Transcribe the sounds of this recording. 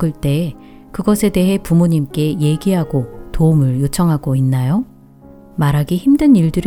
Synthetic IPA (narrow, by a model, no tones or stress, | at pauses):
ɯɭt͈e̞ | kɯɡʌsʰe̞de̞ɦe̞pumuɲimk͈e̞je̞ɡiɦaɡotoumɯɭjot͡ɕʰʌŋɦaɡoinːajo | maɾɦaɡiçimdɯniɭdɯɾ